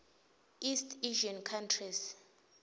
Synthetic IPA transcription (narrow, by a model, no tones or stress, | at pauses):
istʰʼiʒankʰantʰris